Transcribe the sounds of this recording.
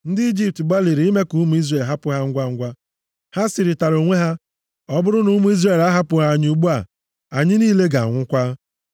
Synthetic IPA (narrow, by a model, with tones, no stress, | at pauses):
n̩˦di˦i˦d͡ʒi˦p̚tɡ͡ba˦li˨ɾi˨i˦me˦ku˦mu˨˦i˦zre˨lɦa˦pʊ˨˦ɦa˦ŋ̩˦ɡʷa˦ŋ̩˦ɡʷa˦ | ha˦si˨ɾɪ˨ta˨ɾo˨ŋʷe˦ɦa˦ | ɔ˦bʊ˦ɾʊ˦nu˦mu˦i˦zre˨la˦ɦa˦pʊ˨ɦa˦˨ɲ˦u˦ɡ͡bu˦a˨ | a˨ɲɪ˦niː˦le˦ɡa˨a̰˨ŋʷʊ˦kʷa˦